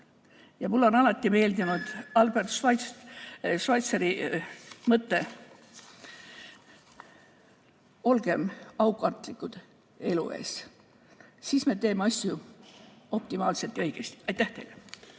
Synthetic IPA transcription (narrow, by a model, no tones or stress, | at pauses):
jɑmulːo̞nɑlɑt̪ʲːˑime̞ːld̪inud̪̥ɑlbert̪sɑjs | ʃɑjt̪seɾi | mɤt̪ːe | o̞lɡ̥e̞mɑwkɑrt̪ːˑlikːˑud̪̥ | e̞lṵe̞̰ːs | sisme̞t̪e̞ːmeɑsʲju | o̞pt̪imɑːlselt̪ːˑjɤjɡ̥est̪i̥ɑjt̪æht̪ejle